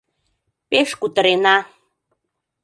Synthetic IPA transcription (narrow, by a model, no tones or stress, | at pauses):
peʃkut̪əɾenɑ